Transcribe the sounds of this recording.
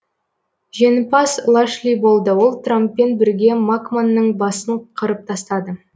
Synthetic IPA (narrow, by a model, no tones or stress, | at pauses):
ʒe̞nɪpɑslˠaʃlʲijbo̞lˠd̪əwo̞lˠt̪rampːe̞nbɪɾɡʲe̞makmanːəɴbɑsəɴqʰəɾəp̚t̪ʰɑst̪ɑd̪ə